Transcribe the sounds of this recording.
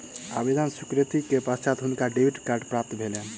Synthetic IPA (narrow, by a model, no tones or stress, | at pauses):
abid̪ansukɾet̪ikepast͡ʃat̪ɦunkaɖebʱiʈkaɾɖpɾap̚t̪bʱelɛ